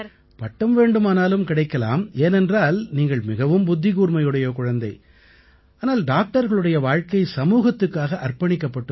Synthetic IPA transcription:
pɐʈːɐmʋeːɳɖɯmaːnaːlɯmkɪɽɐɪkːɐla̰ːmeːnɛndraːlniːŋɡɐɭmɪɣɐʋɯmbʊd̪ːɪɣuːɾmɐjɯɽɐjɐkʊɻɐnd̪ɐɪ | ʔaːnaːlɖaːk̚ʈɐɾɣɐɭɯɽɐjɐʋaːɻkɐɪsɐmuːɣɐt̪ːɯkːaːɣɐʔɐrpɐɳɪkːɐpːɐʈːɯ

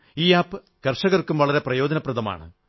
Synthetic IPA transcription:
iːaːpːɨ | kɐrʂɐɣɐrkːumʋɐɭɐɾe̞prɐjo̞ːd͡ʑɐnɐprɐðɐma̰ːɳɨ̰

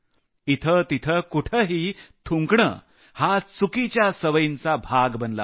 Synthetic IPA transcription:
it̪ʰət̪it̪ʰəkuʈʰəɦiːt̪ʰuŋkɳə̰ | hat͡sukit͡ɕjasəʋəjint͡sabʱaɡbənla̰

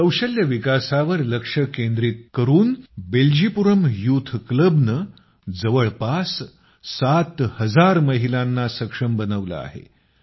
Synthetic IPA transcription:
kəwɕəljəʋikasaʋəɾləkʂəkend̪ɾiːt̪̚kəɾuːnbeld͡ʑipuɾəmjut̪ʰkləbnə | d͡zəʋəɭpas | sat̪həd͡zaɾməɦilanːasəkʂəmbənəʋlə̰a̰ɦḛ

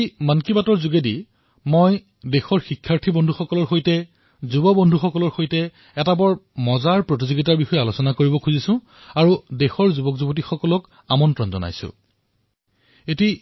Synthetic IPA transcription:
jmankibatɔɹzuɡedi | moj | dexɔɹxikʰːaɹtʰibɔndʱuxɔkɔlɔɹxojtɛ | zubɔbɔndʱuxɔkɔlɔɹxojtɛ | ɛtabɔɹmɔzaɹpɹot̬izoɡitaɹbixɔjɛalosɔnakoɹibɔkʰuzisʊ̃ | aɹudexɔɹzubɔkzubɔt̬ixɔkɔlɔk | amɔntɹɔnzɔ̰na̰jsʊ̰̃ | eti

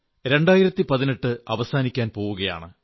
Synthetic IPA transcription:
ɾe̞ɳɖaːjiɾɐt̪ːipɐðineʈːɨɐ̰ʋɐsaːnikʲːaːnpo̞ːʋuɣɐja̰ːɳɨ

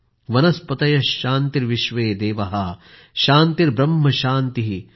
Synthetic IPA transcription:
ʋɐnɐspɐt̪ɐjɐʃaːnt̪iɾʋiʃʋeːd̪eːʋɐɦɐ | ʃaːnt̪iɾbɾɐmːɐʃaːnt̪iɦi

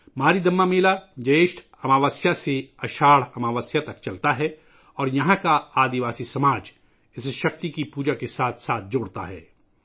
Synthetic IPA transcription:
maːɾid̪ɐmːameːlad͡ʒɐeːʃʈʰ | ɐmaːʋaːsjaseɐʃaːɽɐmaːʋəːsjat̪ɐkt͡ʃɐlt̪aɦɛː | ɔːɾjɐɦãkaaːd̪ɪʋaːsisɐmaːd͡ʒ | ɪsʃɐk̚t̪ikipuːd͡ʒakesaːt̪ʰsaːt̪̚ʰd͡ʒoːɽt̪a̰ɦɛ̰ː

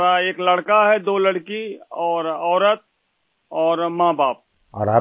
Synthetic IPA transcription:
ɾaeːklɐɽkaɦɛd̪oːlɐɽkiɔːɾɔːɾət̪̚ | ɔːɾmãːbaːp̚ | ɔ̰ːɾa

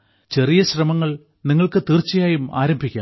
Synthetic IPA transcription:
t͡ɕe̞rijɐɕrɐmɐŋːɐɭ | niŋːɐɭkɨt̪iːrt͡ɕːɐjaːjuma̰ːɾɐmbʱikʲːa̰ːm

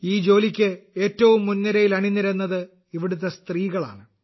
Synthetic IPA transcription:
iːd͡ʑo̞ːlikʲːɨe̞ːtːɐʋumːunːɐɾɐjilɐɳinːiɾenːɐðɨ | iʋiɽut̪̬ːest̪riːɣɐɭa̰ːɳɨ

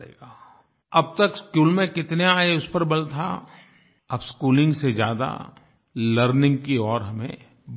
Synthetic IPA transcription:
ḛːɡaː | ɐb̚t̪ɐkskuːlmẽkɪt̪neaːeʊspəɾbɐlt̪ʰa̰ | ɐbskuːlɪ̃ŋɡsed͡ʒjaːd̪a̰ | ləɾnɪ̃ŋɡ̚kiɔːɾɦɐmḛ̃ | b

